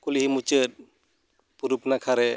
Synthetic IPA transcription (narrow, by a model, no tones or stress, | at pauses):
kuliɦimut͡ʃət̪̚ | puɾupnakʰaɾɛ